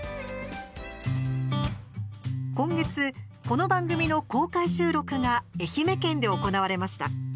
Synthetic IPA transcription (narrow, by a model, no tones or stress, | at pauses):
kõ̞ŋɡe̞t͡sɨ | ko̞no̞bãŋɡɯ̟mʲino̞ko̞ːkaiɕɨːɾo̞kɯ̟ŋae̞çime̞kẽ̞nd̪e̞o̞ko̞naβ̞aɾe̞maɕi̥t̪a̰